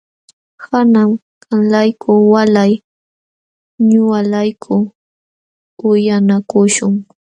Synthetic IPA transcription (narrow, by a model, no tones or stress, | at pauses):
kanam | kalajkʰʊwalaj | ɲʊwalajkʰʊ | ʊjanakʊʃʊŋ